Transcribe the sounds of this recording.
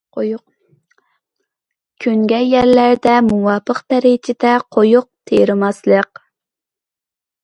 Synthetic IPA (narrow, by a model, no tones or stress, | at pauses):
kʲʰyŋɡʲɛjɛɾlæɾd̪ɛmuwɑːpʰəqpɛɾet͡ʃʰɪd̪ɛqʰojʊq̚t̪ʰeɾɪmɑslˠəq̚